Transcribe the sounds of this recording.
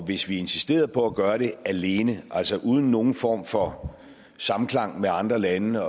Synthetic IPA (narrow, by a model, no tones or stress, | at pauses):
ʋe̝sʋie̝nsi̥sd̥e̝̰ːɐð̩ˠpʰɒ̽æɡ̥ɶːɐɾ̥e̝æle̝ːnəʔæl̰sɒʔuːð̞ˠn̩ːo̝ːn̩fɒ̰ːmfɒ̽ | sɑ̈mm̩kʰlɑ̈ŋ̰meɑ̈nd̥ʁɐlænə